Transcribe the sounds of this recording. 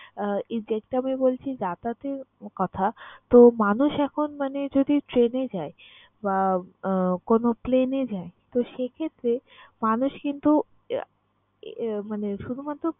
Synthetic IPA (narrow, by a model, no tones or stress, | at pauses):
id͡ʑek̚ʈamibolt͡ɕʰidat̪at̪eɾkɔt̪ʰat̪omanuʃɛkʰonmaned͡ʑod̪iʈɾened͡ʑae | ba | konoplened͡ʑaet̪oʃekʰet̪ːɾemanuʃkint̪u | maneʃud̪ʱumat̪ːɾo